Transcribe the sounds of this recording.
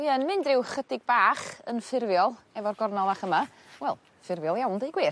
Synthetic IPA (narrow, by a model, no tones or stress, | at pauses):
jənmɪndrɪwχədɪɡ̚baːχə̰nfɪrvjɔlˠɛvɔrɡɔrnɔlˠvaːχəma | wɛlˠ | fɪrvjɔlˠjawndejɡwɪː